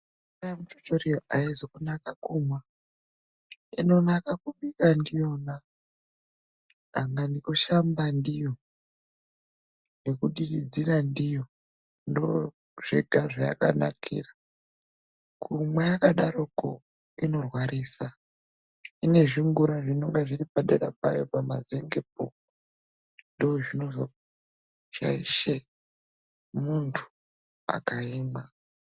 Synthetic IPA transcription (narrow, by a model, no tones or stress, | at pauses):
aamutot͡ʃorijoʔaizokunakakumwa | ino̞nakakuɓikandijo̞na | aŋɡandikoʃambandijo | ne̞kuɗiid͡ziɾandijo | ndo | ʐ̥ḛɡʱaʐaja̰ka̰na̰kʰḭːra | kʰumwejakaɗaɾoko | ino̞rwaɾiːsa | ine̞ʐiŋɡuɾaʐino̞ŋɡeʐiripaɗeɾapa̰jo̞pamazeŋɡep̚o̰ | ndooʐino̞zo | ʐ̥a̰iʃe | muntʰu̥ | a̰kaiːma